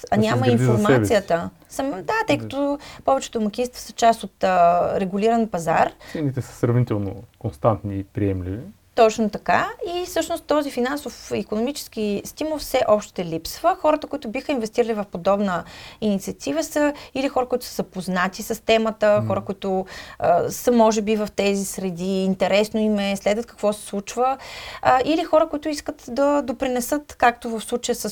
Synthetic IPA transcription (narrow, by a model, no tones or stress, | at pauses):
ɐnʲaməinfoɾmaɛbsijət̪ə | səmd̪at̪ɤjkɐ̥t̪ɔpɔvɛt͡ʃɛ̥t̪ʊmɐk̟ʲinst̪vo̥sə̥t͡ʃast̪ot̪ːɾɛɡʊliɾənpɐza̰ɾɛnit̪ɛsə̥sɾɐvnit̪ɛlˠno̰konst̪ant̪niːpɾiɛmlivi | t̪ɔt͡ʃnot̪ɐkaifsɤʃnost̪ːɔzifinansofikonomit͡ʃɛ̥sk̟ist̪imolˠfsɛʔɔpʃt̪ɛlipsvəxɔɾət̪əkʊit̪ʊbixəinvɛst̪iɾəlivɐfpod̪ɔbnəinit̪siɐt̪ivəsəilixɔɾəkʊit̪ʊ̥sə̥səpoznat̪isəst̪ɛmət̪əxɔɾəkʊit̪ʊəsəmɔʒɛbivɐft̪ɛzisɾɛd̪iːnt̪ɛɾɛsnoimɛslɛd̪vət̪kə̥kvɔsɛ̥slˠut͡ʃvə | ʔilixɔɾəkʊit̪ʊiskət̪d̪ɐd̪opɾinɛsɤt̪kak̚t̪ovɐfslˠut͡ʃəjəsə